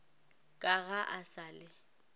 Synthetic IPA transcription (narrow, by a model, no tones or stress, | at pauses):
kʼaɣaʔasaːlɪ